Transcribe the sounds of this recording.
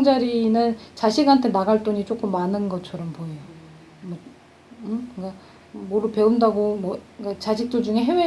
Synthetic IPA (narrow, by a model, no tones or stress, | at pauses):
ŋd͡ʑaɾinɯnt͡ɕaɕʰiɡɦantʰe̞naɡaɭt͈oɲit͡ɕ͈ok͈ɯmːanɯnɡʌt͡ɕʰʌɾʌmpoejo | mwʌ | ɯkɯka | moɾupe̞undaɡomwʌkat͡ɕaɕʰik̚t͈od͡ʑuŋe̞ɦewe